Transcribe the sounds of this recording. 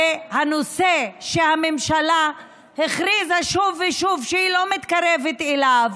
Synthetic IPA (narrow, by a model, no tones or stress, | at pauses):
hanoseʃehamemʃala | heχʁizaʃuvːeʃuvʃeilo̞mit̪kaʁevet̪elav